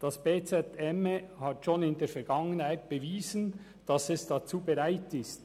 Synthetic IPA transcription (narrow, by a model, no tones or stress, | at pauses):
d̥ɑsb̥eːt͡sɛtɛməhɑtʃonɪndeːfɛɾɡ̥ɑŋənhaɪt̚b̥əviːzən | d̥ɑsɛsd̥ɑt͡suːbɛʁaɪtɪst